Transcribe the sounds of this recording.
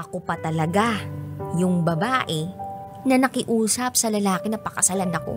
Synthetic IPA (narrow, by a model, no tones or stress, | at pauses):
ʔɐkopɐt̪ɐlɐɡajʊŋbɐbaːʔɛ | nɐnɐkɪʔuːsɐp̚sɐlɐlaːkɛnɐpɐkɐsɐlanɐko̞̰